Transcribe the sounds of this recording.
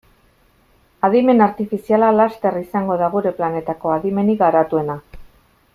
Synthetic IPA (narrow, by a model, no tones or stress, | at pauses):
aðime̞naɾt̪ifisialalast̪e̞risaŋɡo̞ðaɣuɾe̞plane̞t̪ako̞aðime̞niɣaɾat̪ue̞na